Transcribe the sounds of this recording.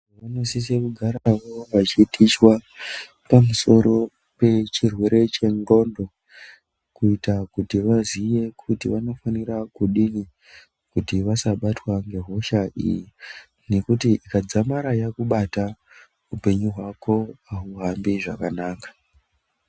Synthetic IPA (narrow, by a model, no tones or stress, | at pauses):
ʋano̞sisekuɡʱaɾaʋo̞ʋat͡ʃitʰit͡ʃwa | pamuso̞ɾo̞ | pe̞t͡ʃirwe̞ɾe̞t͡ʃe̞ŋɡo̞ndo̞ | kuitakutiʋazije̞kʰutiʋano̞fanirakuɗini | kutiʋasaɓatwaŋɡe̞ɦo̞ʃaʔḭji | ne̞kutiʔikad͡zamaɾajakuɓata | upe̞ɲuɦwako̞aɦuɦambiʐakanaːkḁ